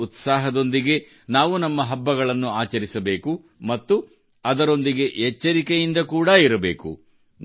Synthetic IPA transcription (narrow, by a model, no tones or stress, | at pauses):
ut̪saːɦɐd̪o̞nd̪iɡe̞ | naːʋunɐmːɐɦɐbːɐɡɐɭɐnːuaːt͡ʃɐɾisɐbe̞ːku | mɐt̪ːu | ɐd̪ɐɾo̞nd̪iɡe̞ɦɛt͡ʃːɐɾikejind̪ɐkuːɽɐiɾɐbe̞̰ːkṵ | n